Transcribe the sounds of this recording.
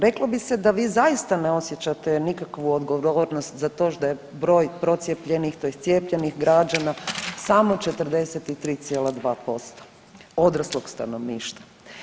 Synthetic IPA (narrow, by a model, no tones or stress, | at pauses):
ɾe̞klˠobised̪aʋiːzajist̪aneo̞sjet͡ɕat̪enikakʋuod̪ɡoʋoʋoɾnost̪zat̪o̞ːʃd̪ajebɾo̞ːjpɾo̞t̪sjepʎe̞nixt̪ojest̪sjepʎenixɡɾad͡ʒanasamo̞t͡ʃet̪əɾd̪e̞set̪it̪ɾiːt̪sjeːlˠad̪ʋaːpo̞st̪o̥ | o̞d̪ɾaslˠoɡst̪a̰noʋniːʃt̪ḁ